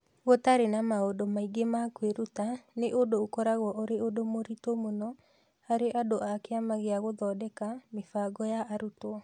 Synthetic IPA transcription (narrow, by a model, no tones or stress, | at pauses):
ɣɔtaɾenamaodomaiɡemakweɾutaneʔodoːkɔɾaɣwɔʔoɾeodomoɾitomonɔ | aɾeʔadoʔakeamaɣeaɣoðɔdɛkamefaɡɔjaʔːɾutɔ